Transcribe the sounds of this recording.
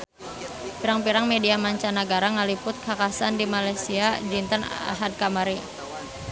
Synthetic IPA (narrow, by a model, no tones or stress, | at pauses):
piɾaŋpiɾaŋmediamaɲt͡ʃanaɡaɾaŋalipʊt̪̚kʰakasandimalajsiad͡ʒint̪əna̰ɦad̚kamaɾi